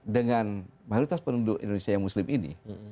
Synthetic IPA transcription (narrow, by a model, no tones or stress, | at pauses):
dəŋanmajoɾit̪aspənudʊʔḭndonesiajaŋmuslɪmʔinḭ